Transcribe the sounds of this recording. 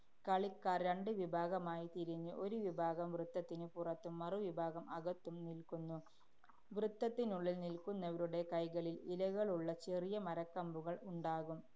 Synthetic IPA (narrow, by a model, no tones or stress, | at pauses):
kɐɭikːaːrɾɐɳɖɨʋibʱaːɣɐmaːjit̪iɾiɲːɨʔo̞ɾuʋibʱaːɣɐmʋrɨt̪ːɐt̪ːinɨpurɐt̪ːumːɐruʋibʱaːɣɐmɐɣɐt̪ːumnilkunːu | ʋrɨt̪ːɐt̪ːinuɭːilnilkunːɐʋɐɾuɽe̞kɐjɣɐɭililɐɣɐɭuɭːɐt͡ɕerijɐmɐɾɐkːɐmbuɣɐɭuɳɖaːɣum